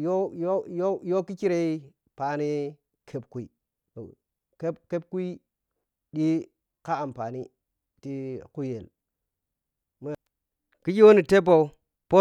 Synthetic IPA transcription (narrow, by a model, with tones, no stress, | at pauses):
jo˦jo˦jo˦jo˦ki˦ki˦ɾe˦i˦ | pa˨ni˦ | kʰe˦pku˨˦i˨ | ke˦pke˦p̚ku˦i˦ | ɗi˦ | ka˦a˨mpa˨ni˦ | ti˦ku˦je˨l | ma˦ | ki˦d͡ʒi˦wo˦ni˨te˦bo˨u˦ | po˦